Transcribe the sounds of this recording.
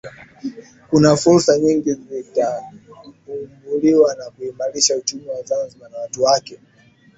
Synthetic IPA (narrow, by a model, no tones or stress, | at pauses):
kunafuɾsaɲiŋɡizita | umuliwanakuimaɾiʃaut͡ʃumiwazanziɓanawatuwakɛ